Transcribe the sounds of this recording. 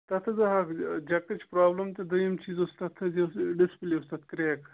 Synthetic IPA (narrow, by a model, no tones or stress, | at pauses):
t̪ɐt̪ʰɐzɐɦɐkd͡ʒɐkːɐt͡ʃpɾaːblɐmt̪ʲed̪ɐjimt͡ʃʰiːzost̪ɐt̪ʰɐzisɖɪspliost̪ɐt̪̚ʰkɾeːk